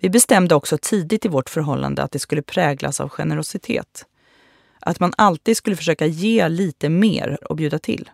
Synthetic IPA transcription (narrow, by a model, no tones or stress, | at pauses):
vɪbɛst̪ɛmd̪əɔksɔt̪ʰiːd̪ɪt̪ɪvɔʈfœɾɦɔlːa̰nd̪ə̰at̪̚d̪ɛskɵlːəpʰɾɛːɡlʔa̰sa̰vɧɛnəɾʊsɪt̪ʰḛːt̪ | ʔat̪manalt̪iːd̪skɵləfœʂøːkajeːliːt̪əmḛːɾɔ̰bjʉ̟ːd̪at̪ʰɪ̰lː